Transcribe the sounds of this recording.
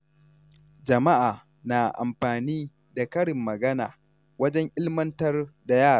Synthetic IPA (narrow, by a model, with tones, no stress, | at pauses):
d͡ʒɐ˨ma˦ʔaː˨ | na˨ʔa̰˨mɸaː˨niː˦ | da˨kɐ˦ɽɪ˨mːɐ˨ɡɐ˦na̰ː˨ | wɐ˦d͡ʒɛ˦ŋʔɪ˦lmɐ˦ntɐ˦rda˨jaː˦˨